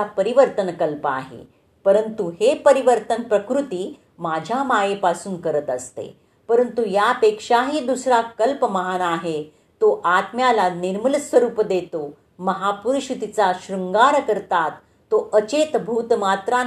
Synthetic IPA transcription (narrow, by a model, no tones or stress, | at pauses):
apəɾiʋəɾt̪ənkəlpa̰ɦḛ | pəɾənt̪uɦepəɾiʋəɾt̪ənpɾəkɾut̪iː | mad͡ʑʱamajepasuːnkəɾət̪əst̪ḛ | pəɾənt̪ujapekʂaɦiːd̪usɾakəlpəməɦanaɦe | t̪oʔat̪mjalaniɾməlsʋəɾuːpd̪et̪o | məɦapuɾuɕut̪it͡saɕɾuŋɡaɾkəɾt̪at̪ː | oʔət͡ɕet̪bʱuːt̪mat̪ɾa